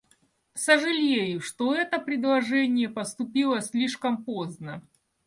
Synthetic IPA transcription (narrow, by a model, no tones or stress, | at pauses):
səʐɨlʲejʊʂt̪oɛt̪əpɾʲɪd̪lˠɐʐɛnʲɪjəpəst̪ʊpʲilˠəsʲlʲiʂkəmpoznə